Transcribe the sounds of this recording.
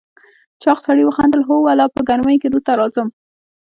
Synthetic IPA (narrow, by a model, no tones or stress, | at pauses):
t͡ʃɑqsaɽiwəxand̪əlɦowalɑpəɡanmajked̪ut̪aɾɑzəm